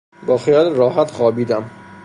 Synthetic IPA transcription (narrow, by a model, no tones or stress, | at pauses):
bɒːxijɒːlɾɒːɦæt̪xɒːbiːd̪æm